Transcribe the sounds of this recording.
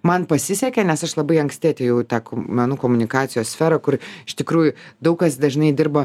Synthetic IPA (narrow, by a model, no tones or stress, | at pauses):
mɐnpɐsʲɪsʲɛkʲɛnʲɛsɐʃlˠɐbɐɪɐŋksʲtʲɪɐt̪ʲeːjɛʊt̪ɑːkmʲɛnuːkoːmʊnʲɪkɑːt̪sʲɪjoːssʲfʲɛːɾɐkʊrɪʃt̪ʲɪkɾuːjʊd̪ɐʊkɐsd̪ɐʒnɐɪd̪ʲɪrbɐ